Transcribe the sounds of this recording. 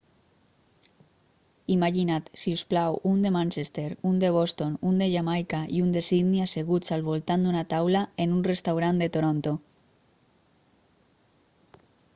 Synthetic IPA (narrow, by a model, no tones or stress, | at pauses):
imaʝinat̪siusplawund̪emãnʲt͡ʃest̪eɾund̪e̞β̞ost̪onund̪eʝamajkaiund̪esiðniaseɣ̞ut͡salβ̞olt̪and̪unat̪awlaenunrest̪awɾand̪e̞t̪oɾõnt̪o